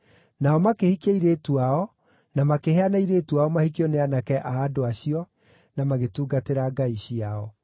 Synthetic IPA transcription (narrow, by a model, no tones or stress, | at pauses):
naɔmakehikaiɾetuaɔ | namakeɦeanaiɾeːtuaɔmahikeɔneanakɛʔaːdoaɕiɔ | namaɣetuːɡateɾaɡaiɕiaɔ